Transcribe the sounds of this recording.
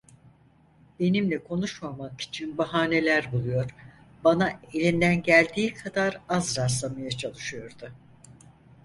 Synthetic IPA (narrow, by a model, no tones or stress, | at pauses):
be̞nimlʲɛkʰo̞nuʃmamaki̥t͡ʃʰinbaɦaːne̞lʲæɾbulˠujo̞ɾ̥ | banae̞lʲind̪ænɟælʲd̪iːkʰad̪aɾazɾas̬lˠamajat͡ʃʰalˠɯʃɯjo̞ɾd̪ʊ